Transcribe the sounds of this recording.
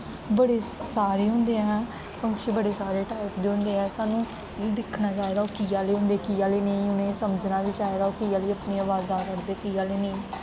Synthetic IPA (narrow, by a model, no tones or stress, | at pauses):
bəɽeːsaːɾeːɦʊ̃nd̪eːɛː | kəŋʃiːbəɽeːsaːɾeːʈaːɪpd̪eːɦʊ̃nd̪eːɛːsaːnũː | d̪ɪkʰnaːd͡ʒaːeɾaoːkiːaːleːɦʊ̃nd̪eːkiːaːliːnəĩːʊnẽːsəməd͡ʒnaːʋɪt͡ʃaːeːɾaoːkiːaːliːəpneːəʋaːzaːkəɾd̪eːkiːjaːleːnəĩː